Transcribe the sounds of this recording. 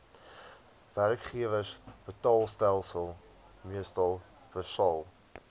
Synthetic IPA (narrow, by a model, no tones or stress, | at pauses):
værkχiəvəsb̥ətɑːlˠstælˠsəlˠ | miəstɐlˠ | b̥əsɑlˠ